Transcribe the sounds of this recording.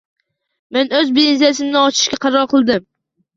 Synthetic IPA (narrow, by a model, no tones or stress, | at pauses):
menɵzbenziasɪmnɪɒt͡ʃʰɪ̥ʃkʲaqʰɑɾɒɾqʰɨlˠd̪ɪm